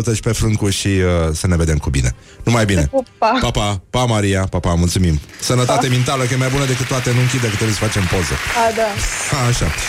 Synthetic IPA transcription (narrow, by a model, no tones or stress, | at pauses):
t̪əʃpe̞fɾɨŋkuʃiəsəne̞ve̞d̪e̞mkubḭne̞̰ | numajbine̞papapapamaɾijapapamult̪sumimsənət̪at̪emint̪aləkəjemajbunəd̪ekɨt̪t̪ːoat̪enuɨŋkʲid̪əkət̪ːɾeujsəfat͡ʃe̞mpo̞zəad̪aaːʃa̰